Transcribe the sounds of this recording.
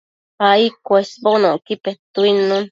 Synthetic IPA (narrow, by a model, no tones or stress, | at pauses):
haikʷesbonõkipet̪uinũn